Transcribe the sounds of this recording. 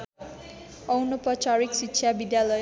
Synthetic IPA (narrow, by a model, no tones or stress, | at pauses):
ʌwnoprʌt͡ʃaɾiksitsʰjabid̪jalʌj